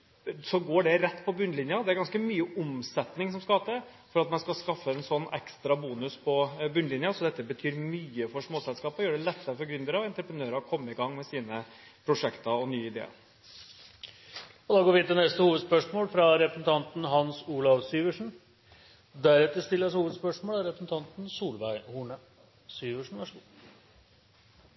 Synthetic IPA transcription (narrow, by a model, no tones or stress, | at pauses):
sɔɡoːɖɛɾɛt̪ːpʰɔbʉnːlɪnjɑd̪ɛæɾɡɑnskəmyːəʔʊmsɛt̪nɪŋsɔmskɑhɑːt̪ə | fɔɾɑt̪mɛnskɑskɑfːəɛnsɔnːɛ̰kst̪ɾɑbuːnʉspʰɔbʉnlɪnjɑsɔd̪ɛt̪ːəbət̪ʰyːɾmyːəfɔʂmoːsɛlskɑːpɔjøːəɖɛlɛt̪ːəɾəfɔɾɡɾʏnd̪əɾəɔɛnt̪ɾəpɾənøːɾəɔkʰɔmːəɪɡɑŋːmɛsiːnə | pʰɾʊʂɛkt̪ɑɔnyːəɪd̪ḛːɑ̰ɾ | ɔd̪ɑːɡoːɾʋɪɪt̪ːɛnɛst̪əhuːʋəd̪spœʂmoːlfɾɑɾɛpɾəsn̩t̪ʰɑnt̪nɦɑnsuːlɑʋsyːʋəʂɳ̩ | d̪æɾɛt̪ːəst̪ɪlːəshuːʋəd̪spœʂmoːlæɾɛpɾəsn̩t̪ʰɑnt̪n̩suːlʋæɪhuːɳə | syːʋəʂɳ̩ʋæʂ